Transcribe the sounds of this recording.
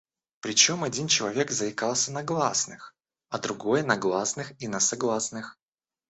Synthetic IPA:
pɾʲɪt͡ɕo̞mɐdʲint͡ɕɪlˠɐvʲe̞kzəɪkalˠsʲənɐɡlˠasnɨx | ɐd̪ɾʊɡo̞jənɐɡlˠasnɨxinəsɐɡlˠasnɨx

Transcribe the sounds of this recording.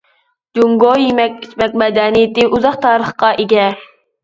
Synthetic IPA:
d͡ʒuŋɡojimɛkʲit͡ʃmɛk̚ʲmɛd̪ɛnijɪt̪ɪʔuzɑχt̪ʰɑːɾəχqɑʔeɡʲɛ

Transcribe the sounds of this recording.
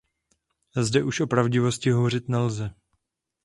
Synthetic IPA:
zdɛʔuʃʔo̞pɾavɟɪvo̞scɪɦo̞vor̝ɪt̪nɛlzɛ

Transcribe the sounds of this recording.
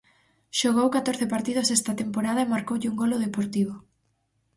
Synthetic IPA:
ʃoɣowkat̪oɾθepaɾt̪ið̞osɛst̪ɐt̪empoɾað̞ɐemaɾkowʎɪuŋɡoloðepoɾt̪iβ̞o

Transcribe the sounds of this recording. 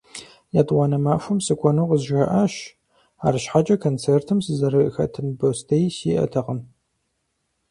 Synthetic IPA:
jaːdwʷɑnɐmaːfʷʊmsɨkʷʰɔnoqəzʒɐʔaʃ | aːɾɨʃħat͡ʃʼɐkʰont͡sʰertʰɨmsɨzɐɾɨxɐ̰tʰɨnbostʰɐjsḭːʔɐ̰tʰɐʁəm

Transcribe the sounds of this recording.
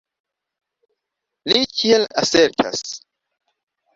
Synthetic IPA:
likʰiela̰seɾtʰa̰s

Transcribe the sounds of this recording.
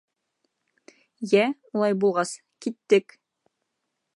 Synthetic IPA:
jæulˠɑjbulˠʁɑs | kit̪ːɘk

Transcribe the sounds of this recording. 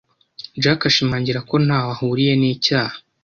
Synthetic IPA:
d͡ʒakaʃimaːɲɟiɾako̞n̥haːwahuːɾije̞niːcaːhḁ

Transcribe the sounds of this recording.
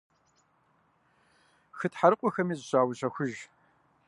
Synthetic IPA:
xɨtħaɾɨqʷʼɔxɐmiːzɕaːwʊɕɐxʷʊʒ

